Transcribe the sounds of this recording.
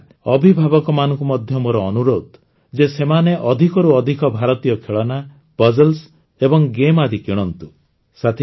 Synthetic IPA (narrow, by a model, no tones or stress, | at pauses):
ɔbʱibʱabɔkɔmanɔŋkumɔd̪ʱjɔmoɾɔːnuɾod̪ | d͡ʒesemaneʔɔd̪ʱikɔɾuɔd̪ʱikɔbʱaɾɔt̪ijɔkʰeɭɔna | b̥ɔd͡ʒɔls | ebɔŋɡemad̪ʱikiɽ̃ɔnt̪u | sat̪ʰi